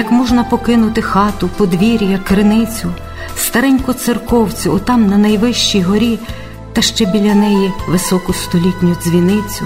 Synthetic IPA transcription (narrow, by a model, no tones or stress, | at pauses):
jɐkmɔʒnɐpɔkɪnʊt̪ɪxɑt̪ʊpɔd̪ʋʲiɾʲjɐkɾɪnɪt͡sʲʊ | st̪ɐɾɛnʲkʊt̪sɪrkɔwt͡sʲʊɔt̪ɑmnɐnɐjʋɪʃt͡ʃijɦɔɾʲi | t̪ɐʃt͡ʃɛbʲilʲɐnɛjiʋɪsɔkʊst̪ɔlʲitʲnʲʊzʲʋʲinɪt͡sʲʊ